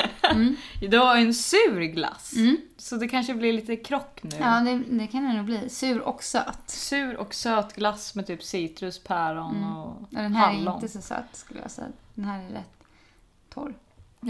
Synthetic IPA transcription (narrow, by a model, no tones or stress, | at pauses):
d̪ɛvaɾjɛnsʉ̟ːɾɡla̰s | sɔd̪ɛkʰanʂəblɪɾliːt̪əkʰɾɔkːnʉ̟ːɑːd̪ɛd̪ɛkʰanɛnːuːbliːsʉ̟ːɾɔ̰ksø̰ːt̪sʉ̟ːɾɔ̰ksøːt̪ɡlasmɛt̪ʰyːpsiːt̪ɾʉspʰæːɾɔnɔad̪ɛnɦæalɪːɔt̪əsɔsø̰ːt̪skɵləja̰sɛ̰a̰d̪̥ɛnhæːɾæɾɛ̰t̪ʰː | ɔ̰ɾ